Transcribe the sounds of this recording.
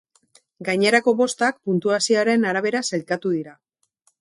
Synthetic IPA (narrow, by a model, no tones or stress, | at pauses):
ɡajɲe̞ɾako̞βo̞st̪ak̚punt̪uasioɾe̞naɾaβ̞e̞ɾaselkat̪uðiɾa